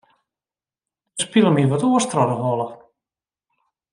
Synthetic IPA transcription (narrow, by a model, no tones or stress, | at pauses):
spilˠəmiʋɔtuəstrɔɾəɦɔlˠə